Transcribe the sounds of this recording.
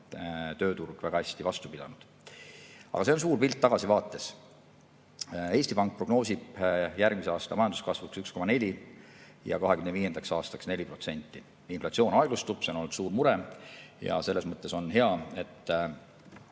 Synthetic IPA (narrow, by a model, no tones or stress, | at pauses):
t̪ø̞ːt̪urɡ̥væɡɑhæsʲt̪ivɑst̪u̥pid̥̪ɑnud̪̥ | ɑ̰ɡ̥ɑs̬e̞o̞ns̬uːrpilʲt̪ːɑɡ̥ɑsivɑːt̪ːˑe̞s | e̞ːst̪ipɑŋk̚pro̞ɡ̥no̞ːsʲib̥jærɡ̥mise̞ɑːst̪ɑmɑjɑnd̪u̥skɑsvuksyksko̞mɑne̞lʲi | jɑ̰kɑɦe̞kymneviːjend̪̥ɑksɑːst̪ɑksne̞lʲipro̞t̪se̞nʲt̪ːˑi | inflɑt̪sio̞ːnɑeɡ̥lust̪ub̥seonolud̪suːɾmuɾe̞jɑ̰se̞lːe̞smɤt̪ːˑe̞so̞nɦe̞ɑe̞t̪ː